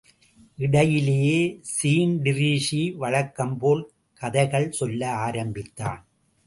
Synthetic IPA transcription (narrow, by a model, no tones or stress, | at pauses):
ʔɪɽɐjɪlejeːsiːnɖɪɾiːʂiʋɐɻɐkːɐmpoːl | kɐðɐɪɣɐɭsɔlːɐaːɾɐmbɪt̪ːa̰ːn